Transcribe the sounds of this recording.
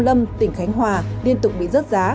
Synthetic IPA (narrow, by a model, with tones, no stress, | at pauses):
lə˧mt̪ï˧˩ŋ̟xa˨˦jŋ̟ɦwaː˨˩li˧ənt̪ʊ˨˩k͡p̚ɓḭ˧˨zə˦˥t̚zaː˨˦